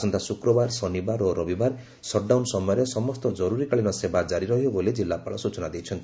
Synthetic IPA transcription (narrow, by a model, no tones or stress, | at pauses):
sɔnt̪asukɾɔbaɾsɔnibaɾɔɾɔbibaɾ | sɔʈ̚ɖawnsɔmɔjɔɾesɔmɔst̪ɔd͡ʒɔɾuɾikaɭinɔsebad͡ʒaɾiɾʌɦiobʱoled͡ʒilːapaɭɔsut͡ʃɔnad̪ijt͡ʃʰʌnt̪i